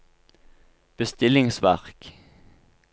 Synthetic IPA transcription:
b̥əst̪ɪlɪŋsʋæ̰ʁk

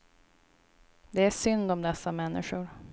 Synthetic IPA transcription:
d̪ɛæʂʏnd̪ɔmd̪ɛsːamɛnːɪɧʊɾ

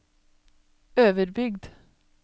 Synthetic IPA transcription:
øːʋəɾbʏɡd̪

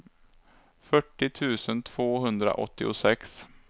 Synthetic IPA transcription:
fœʈːɪt̪ʰʉ̟ːsənt̪ʰv̥oːɦɵnd̪ɾa̰ʔɔ̰t̪ːɪʊsɛks

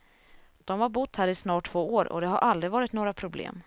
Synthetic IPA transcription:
d̪̥ɔmvaɾbʊt̪ːhæːɾɪsnɑːʈʰːv̥oːoːɾɔ̰d̪ɛɦa̰ɾʔald̪ɾɪvɑːɾɪt̪noːɡɾapʰɾʊblḛːm

